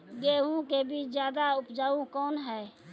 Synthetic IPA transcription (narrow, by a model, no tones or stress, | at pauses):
ɡeːũkebʱiːt͡ʃd͡ʒjaːd̪aʊpd͡ʒaːũkɔːnɦɛː